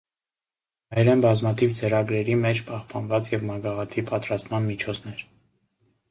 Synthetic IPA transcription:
ɑjɾɛnbɑzmɑt̪ʰivt͡səɾɑɡɾɛɾimɛt͡ʃʰpɑhpɑnvɑt͡sjɛvmɑɡɑʁɑt̪ʰipɑt̪ɾɑst̪mɑnmit͡ʃʰɔt͡sʰnɛɾ

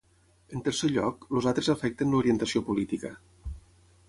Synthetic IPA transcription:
ənt̪əɾseʎɔkluzalˠt̪ɾezəfɛk̚t̪ənluɾiənt̪əsiopulit̪ikə

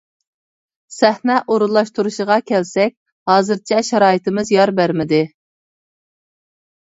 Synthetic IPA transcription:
sæhnɛʔoɾulˠːɑʃt̪uɾuʃəʁɑkʲʰɛlsɛk̚ʲ | hɑːzɨɾt͡ʃʰɛʃɑɾɑːjit̪ɪmɪzjɑɾbæɾmɪd̪ɪ

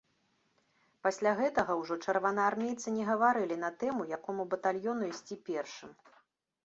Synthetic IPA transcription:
pasʲlʲaɣɛt̪ɐɣɐwʐɔt͡ʂɐrvanɐarmʲejt̪sɨnʲɛɣɐvaɾɨlʲinɐt̪ɛmujakɔmubɐt̪alʲjɔnuisʲt͡sʲipʲɛrʂɨm

